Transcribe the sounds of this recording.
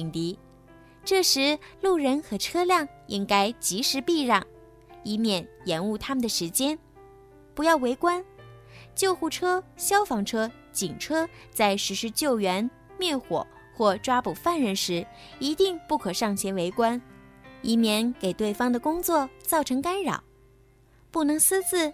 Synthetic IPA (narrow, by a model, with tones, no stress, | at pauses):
i˨˩ŋt̪i˧˥ | ʈ͡ʂɤ˥˩ʂɻ̩˧˥lu˥˩ɻə˧˥nxɤ˧˥ʈ͡ʂʰɤ˥ljɑ˥˩ŋ | i˥ŋka˥ɪt͡ɕi˧˥ʂɻ̩˧˥pi˥˧ɻɑ˥˩ŋ | i˥mjɛ˥˩njɛ˧˥nu˥˩t̪ʰa˥mə˨nd̪ə˩ʂɻ̩˧˥t͡ɕjɛ˥n | pu˧˥jɑ˥˩ʊwe˧˥ɪkwa˥n | t͡ɕjo˥˧ʊxu˥˩ʈ͡ʂʰɤ˥ɕjɑ˥ʊfɑ˧˥ŋʈ͡ʂʰɤ˥ | t͡ɕi˨˩ŋʈ͡ʂʰɤ˥ | t͡sa˥˩ɪʂɻ̩˧˥ʂɻ̩˥˧t͡ɕjo˥˩ʊɥɛ˧˥n | mjɛ˥˩nxwɔ̰˨˩˦ | xwɔ˥˩ʈ͡ʂwa˥pu˨˩fa˥˩nɻə˧˥nʂɻ̩˧˥ | i˧˥t̪i˥˧ŋpu˥˩kʰɤ˨˩ʂɑ˥˩ŋɕʰjɛ˧˥nwe˧˥ɪkwa˥ni˥mjɛ˧˥nke˨˩ɪt̪we˥˩ɪfɑ˥ŋd̪ə˨kʊ˥ŋt͡swɔ˥˧t͡sɑ˥˩ʊʈ͡ʂʰɤ˧˥ŋka˥nɻɑ̰˨˩˦ | pu˥˩nɤ˧˥ŋs̩˥t͡sɹ̩˥˩